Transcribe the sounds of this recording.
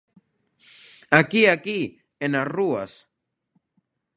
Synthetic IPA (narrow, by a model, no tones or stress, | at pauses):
akiaki | enasruas